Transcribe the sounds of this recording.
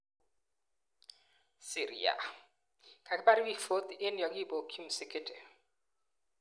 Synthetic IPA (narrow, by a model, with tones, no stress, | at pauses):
si˨ɾḭ˨a̰˨ | kʰa˨kʰɪ˦ba˦ɾɪ˦bi˦˨fo˦t̪ɪ˦n˦jɔ˨ki˦˨bo˨kʰi˦msɪ˦kʰɪ˦tʼɛ˨